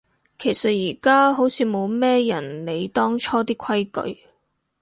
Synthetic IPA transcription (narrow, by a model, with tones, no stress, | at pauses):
kʰe˨˩jsɐ˨t̚jiː˨˩kaː˥ɦo˨˥wt͡sʰiː˨˧mo˨˧wmɛː˥jɐ˨˩nle˨˧jt̪ɔː˥ŋt͡ʃʰɔː˥t̪iː˥kʰɐ˥jkɵ̰˨˧ɥ